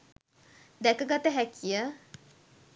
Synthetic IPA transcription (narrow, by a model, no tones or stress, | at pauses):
d̪ɛkəɡat̪əɦækʰijə